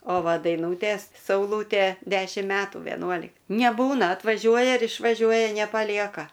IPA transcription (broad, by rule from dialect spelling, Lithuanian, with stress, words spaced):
oː ˈʋɐ dɐɪˈnuːtʲeːs sɐʊˈlˠuːtʲeː ˈdʲæːʃʲɪm ˈmʲæːtuː ʋʲɛˈnuɔlʲɪk nʲɛˈbuːnɐ ɐtʋɐˈʒʲuɔjɛ ɪr ɪʃʋɐˈʒʲuɔjɛ nʲɛpɐˈlʲiɛkɐ